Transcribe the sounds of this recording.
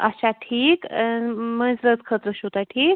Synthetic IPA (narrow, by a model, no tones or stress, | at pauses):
əɕaʈʰiːk | mənzɾət̪kʰət̪ɾəɕot̪aʈʰiːk̚